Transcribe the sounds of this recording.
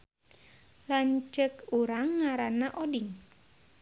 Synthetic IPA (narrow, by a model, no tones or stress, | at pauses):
laɲt͡ʃəkuɾaŋːaɾanaʔɔdiŋ